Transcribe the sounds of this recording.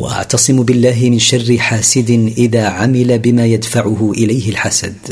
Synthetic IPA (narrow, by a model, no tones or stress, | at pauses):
wa̰ʔa̰ʕt̪ɑsˤɨmbɪlːaːɦɪmɪnʃarːɪħaːsɪd̪ɪʔɪðaːʕamɪlabɪmaːjad̪faʕʊhʊʔɪlajhɪlħasa̰d̪